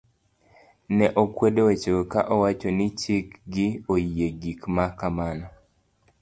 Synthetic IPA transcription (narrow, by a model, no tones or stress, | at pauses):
nɛʔokwedowet͡ʃokaʔɔwat͡ʃonɪt͡ʃikɡɪojieɡikmakamanɔ